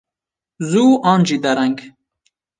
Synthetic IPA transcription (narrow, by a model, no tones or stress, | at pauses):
zuːʔɑ̃ːnd͡ʒid̪ɐɾɛŋɡ